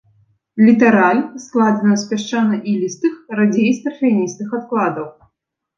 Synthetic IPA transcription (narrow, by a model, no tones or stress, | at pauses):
lʲit̪ɐɾalʲsklˠad̪ɐnɐsʲpʲaʂt͡ʂanɐʔilʲist̪ɨxrad͡zʲejst̪ɾfʲɛnʲist̪ɨxat̪klˠad̪ɐw